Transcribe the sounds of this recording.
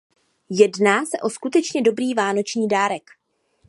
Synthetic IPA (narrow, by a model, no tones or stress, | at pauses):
jɛdnaːsɛʔo̞skut̪ɛt͡ʃɲɛdo̞bɾiːvaːno̞t͡ʃɲiːdaːɾɛk